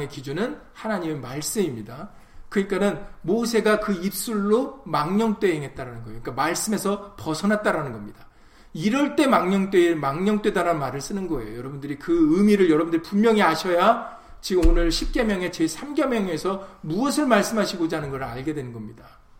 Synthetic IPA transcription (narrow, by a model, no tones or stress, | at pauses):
ŋe̞kid͡ʑunɯn | hanaɲime̞maɭs͈ɯmimɲida | kɯɲik͈anɯnmos̬ʰe̞ɡakɯip̚s͈uɭːomaŋɲʌŋt͈e̞ɦeŋɦe̞t̚t͈aɾanɯnɡʌejoiikamaɭs͈ɯme̞sʰʌpʌsʰʌnɦat̚t͈aɾanɯnɡʌmɲida | iɾʌɭt͈e̞maŋɲʌŋt͈wemaŋɲʌŋt͈we̞daɾanmaɾɯɭs͈ɯnɯnɡʌe̞jo̰jʌɾʌbundɯɾikɯɯmiɾɯɭjʌɾʌbɯndɯɾipummjʌŋiaɕʰʌja | t͡ɕiɡonɯɭɕʰip̚k͈e̞mjʌŋe̞t͡ɕesʰamɡʌmjʌŋe̞sʰʌmuʌsʰɯɭmaɭs͈ɯmɦaɕʰiɡod͡ʑaɦanɯnɡʌɾɯɭaɭɡe̞dwe̞nɯnɡʌmɲida